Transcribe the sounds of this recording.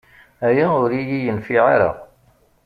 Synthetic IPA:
æjæʊɾijijənfiʕaɾɑ̰ʁ

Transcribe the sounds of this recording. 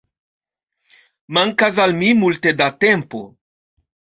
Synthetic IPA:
maŋkas̬almimulte̞date̞mpo̞̰

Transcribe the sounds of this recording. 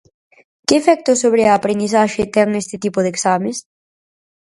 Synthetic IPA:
kɪːfɛk̚t̪ʊsoβɾɪaːpɾend̪iθaʃet̪ɛŋest̪ɪt̪ipʊðeksames

